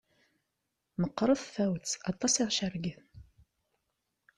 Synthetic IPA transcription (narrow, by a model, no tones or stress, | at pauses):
məqːɾˤəðθæwt͡sːɑt̪ˤːɑsiʁʃəɾɡiθ